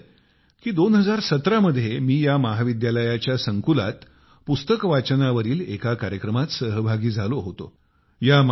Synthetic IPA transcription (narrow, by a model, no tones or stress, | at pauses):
kiːd̪onɦəd͡zaɾsət̪ɾaməd̪ʱːjemiːjaməɦaʋid̪jaləjat͡ɕjasəŋkula̰t̪ | pust̪əkʋat͡ɕənaʋəɾiːlekakaɾjəkɾəmat̪səɦbʱaɡiːd͡zʱaloɦot̪o̰ | jam